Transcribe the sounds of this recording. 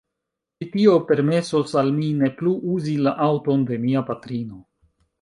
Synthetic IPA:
t͡ʃitio̞pe̞ɾme̞so̞salmine̞pluʔuzilaʔawto̞nde̞miapatɾino̞

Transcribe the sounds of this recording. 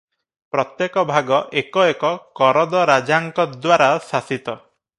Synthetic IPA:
pɾɔt̪jekɔbʱaɡɔʔekɔekɔkɔɾɔd̪ɔɾad͡ʒaŋkɔd̪waɾasasit̪ɔ

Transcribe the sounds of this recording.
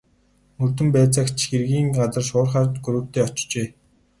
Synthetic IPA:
ɵrt̪ɘ̆mpæːt͡săkt͡ɕxerɣiːŋɢat͡sə̆rʃʊːrχaːrt̪ɡuɾɵ̆ːkt̪eːɔt͡ɕt͡ɕeː

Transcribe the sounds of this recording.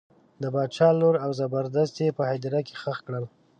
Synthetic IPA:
d̪əbɑd̪̚t͡ʃɑloɾawzabaɾd̪ast̪jepəhad̪ɪɾake̥xəxkɽəl

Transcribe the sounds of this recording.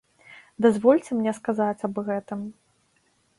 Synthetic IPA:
d̪azvɔlʲt͡sʲɛmnʲɛskazat͡sʲɐbɣɛt̪ɨm

